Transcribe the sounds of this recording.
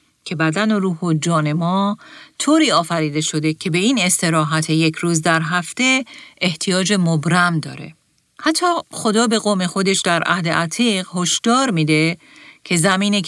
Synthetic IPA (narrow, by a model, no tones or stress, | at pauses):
cʰe̞bæd̪æno̞ɾuːhod͡ʒɒːne̞mɒːt̪ʰoːɾiːɒːfæɾiːd̪e̞ʃo̞d̪e̞cʰe̞be̞iːne̞st̪e̞ɾɒːɦæt̪ʰe̞je̞cʰɾuːzd̪æɾɦæft̪e̞eht̪ʰijɒːd͡ʒe̞mobɾæmd̪ɒ̰ːɾe̞̰ | hæt̪ʰːɒːxo̞d̪ɒːbe̞ɣo̞ːme̞xo̞d̪e̞ʃd̪æɾʔæ̰hd̪e̞ʔæt̪ʰiːɣho̞ʃd̪̥ɒːɾmiːd̪e̞ | cʰe̞zæmiːni